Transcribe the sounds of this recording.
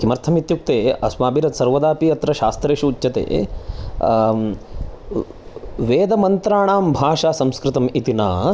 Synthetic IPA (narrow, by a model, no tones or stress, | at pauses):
kimɐɾt̪ʰɐmit̪juk̚t̪eːɐsmaːbiɾɐt̪sɐɾʋɐd̪aːpiɐt̪ɾɐʃaːst̪ɾeːʃuːtːt͡ʃɐt̪ḛː | ʋeːd̪ɐmɐnt̪ɾaːɳaːmbʱaːʂaːsɐmskɾɪt̪ɐmit̪inaː